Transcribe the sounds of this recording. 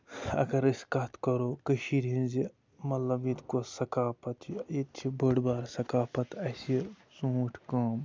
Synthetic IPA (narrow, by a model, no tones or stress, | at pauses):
ɐ̰ɡɐɾiskat̪ʰkɐɾoːkəʃiɾɦĩnzi | mɐt̪lɐbit̪kosɐkaːpɐt̪ʰjet̪t͡ʃʰibəɽbaːɾsɐkaːpɐt̪ɐsi | suːʈʰkaːm